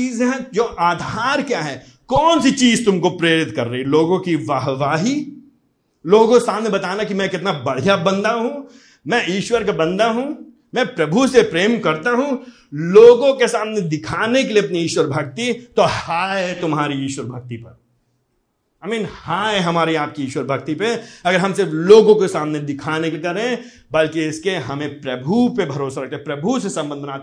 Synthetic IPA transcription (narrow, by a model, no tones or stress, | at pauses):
t͡ʃiːzɦɛ̃d͡ʒoːʔaːd̪ʱaːɾkjaɦɛː | kɔːnsit͡ʃiːzt̪ʊmkopɾeːɾɪt̪kɐɾːɐɦiloːɡõkiʋaːɦʋaːɦi | loːɡõesaːmnebɐt̪aːnakimɛ̃kɪt̪nabɐɽ̤ijabɐ̃nd̪aɦũ | mɛ̃iːʃwəɾkabɐ̃nd̪aɦũ | mɛ̃pɾɐbʱusepɾeːmkɐɾt̪aɦũ | loːɡõkesaːmned̪ɪkʰaːnekeliɐp̚niiːʃwəɾbʱɐɡ̚t̪it̪ohaːet̪ʊmɦaːɾiiːʃwəɾbʱɐɡ̚t̪ipɐɾ | aːmiːnhaːeɦɐmaːɾiaːp̚kiiːʃwəɾbʱɐɡt̪ipeɐɡəɾɦɐ̃msɪɾfloːɡõkesaːmned̪ɪkʰaːnekkɐɾẽ | bɐlkiɪskeɦɐmẽpɾɐbʱupebʱɐɾoːsaɾɐk̚ʰt̪epɾɐbʱusesɐ̃mbə̃nd̪ʱnaːt̪